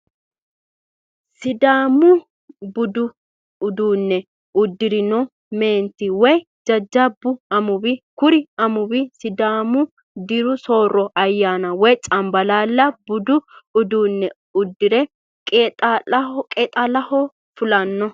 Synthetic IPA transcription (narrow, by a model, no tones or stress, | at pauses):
sɪd̪aːmʊ | bʊd̪ʊ | ʊd̪uːnːɛ | ʊd̪ːɪɾɪnɔ | me̞ːnt̪ɪwɔj | d͡ʒɐd͡ʒːɐbːʊɐmʊbɪkʊɾɪɐmʊbɪsɪd̪aːmʊ | d̪ɪɾʊso̞ːɾːɔʔɐjːaːnɐwɔjt͡ʃʼɐmbɐlaːlːɐbʊd̪ʊʊd̪uːnːɛ | ʊd̪ːɪɾɛ | kʼet̪ʼalɐkʼɛt̪ʼɐlɐhɔ | fʊlɐnːɔ